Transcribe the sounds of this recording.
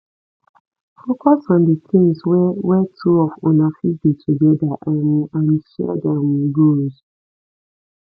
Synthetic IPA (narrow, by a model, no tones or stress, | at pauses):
fokɔsɔ̃ndikʰĩŋswɛwɛtʰuɔfɔnafit̚ditʰuɡɛdaʔamãnʃɛ̰dɛmɡoz̥